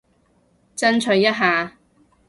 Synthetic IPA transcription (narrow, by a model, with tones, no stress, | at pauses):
t͡sɐ˥nt͡ʃʰɵ˧ɥjɐ˥t̚ɦaː˨˧